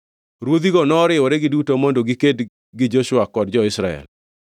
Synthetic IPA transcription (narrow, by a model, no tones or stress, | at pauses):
ɾwod̪iɡɔnɔɾɪwɔɾeɡɪdutomondoɡiked | ɡɪd͡ʒoʃwakɔdd͡ʒɔɪsɾaɛ̰l